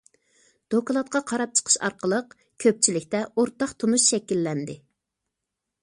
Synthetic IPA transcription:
d̪̥okɑlˠɑt̪̚qʰɑqʰɑɾɑp̚t͡ʃʰə̥qʰə̥ʃɑ̰ɾqəlˠəq | kʲʰøp̚t͡ʃʰilɪkʲt̪ɛoɾt̪ɑqt̪ʰonuʃʃɛkʲilːɛnd̪ɪ

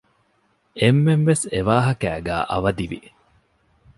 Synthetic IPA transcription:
emːemʋeseʋaːɦɐkæːɡæ̰ːʔɐ̰ʋɐd̪iʋi

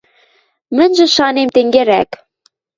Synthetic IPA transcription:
mɘ̆nʲʒɘ̆ʃɑnemt̪eŋɡeɾæk

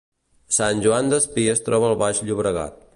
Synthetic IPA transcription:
sanʲʒuand̪əspiəst̪ɾʔɔβəːlˠβaʃʎuβɾəɣa̰t̪̚

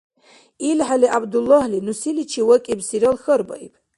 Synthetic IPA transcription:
ilħaliʔabd̪ulːɔhlinusilit͡ʃʰiwɐkʼibsiɾalxərba̰jpʰʼ

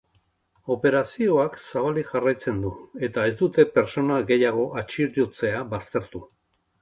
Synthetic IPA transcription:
o̞pe̞ɾasio̞aksaβ̞aliʝarajt͡se̞nd̪ue̞t̪ae̞zd̪ut̪e̞pe̞ɾt͡so̞naɣe̞jaɣ̞o̞ʔat͡ʃiɾjot͡se̞aβast̪e̞ɾt̪u

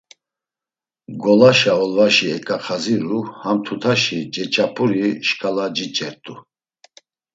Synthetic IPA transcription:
ɡɔlaʃaɔlvaʃiɛkʼaχʰaziɾuhamt̪ʰut̪ʰaʃid͡ʒɛt͡ʃʼapʰʼuɾiʃkʼalad͡ʒit͡ʃʼɛɾt̪ʼu

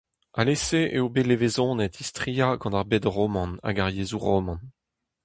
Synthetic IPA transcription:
aleseʔḛobelevezɔ̃ːnɛt̪ist̪χiaɡɑ̃d̪aʁbed̪ʁɔmɑ̃na̰ɡaʁjeːzuʁɔmɑ̃n

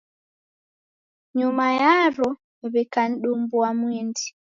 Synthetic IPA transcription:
ɲumajaro | βekan̩ɗumbuwamwiːndi

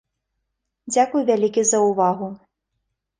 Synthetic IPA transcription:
d͡zʲakujvʲalʲikʲizɐuvaɣu

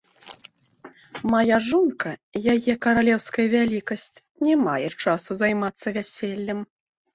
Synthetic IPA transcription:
majaʐunkɐjajɛkɐɾalʲɛwskɐjɐvʲalʲikɐsʲt͡sʲ | nʲɛmajɛt͡ʂasuzajmat̪sːɐvʲasʲɛlʲːɐm

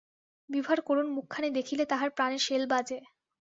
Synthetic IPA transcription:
bibʱaɾkoɾonmukʰːaned̪ekʰilet̪aɦaɾpɾaneɾʃelbad͡ʑe

